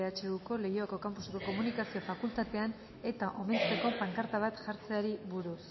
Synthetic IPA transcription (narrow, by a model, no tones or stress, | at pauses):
eat͡ʃeɣuko̞le̞joako̞kampusekoko̞munikasio̞fakult̪at̪e̞an | e̞t̪aʔo̞me̞nt͡s̪eko̞paŋkaɾt̪aβ̞at̪ʝaɾt͡se̞aɾiβuɾus